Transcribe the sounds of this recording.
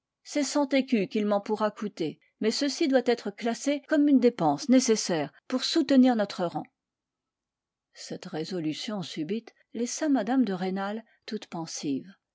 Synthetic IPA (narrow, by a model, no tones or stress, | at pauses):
sɛsɑ̃t̪ekʲykilmɑ̃puʁakut̪e | mɛsəsid̪wat̪ɛt̪χəklasekɔmynd̪epɑ̃snesesɛːʁpuʁsut̪əniʁnɔt̪χəʁɑ̃ | sɛt̪ʁezɔlysjɔ̃sybit̪ | lɛsamad̪amd̪əʁenal | t̪ut̪pɑ̃siv